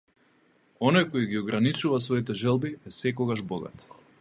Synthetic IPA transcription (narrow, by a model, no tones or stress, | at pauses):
ɔnojkojiɡiɔɡɾanit͡ʃuvasvɔit̪ɛʒɛlˠbiɛsɛkɔɡaʒbɔɡa̰t̪